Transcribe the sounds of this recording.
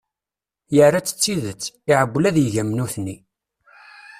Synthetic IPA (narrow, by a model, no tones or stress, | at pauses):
jərːat͡sːə̥t͡sːiðət͡sːiʕəbːlæðjəʝæmnuθnːi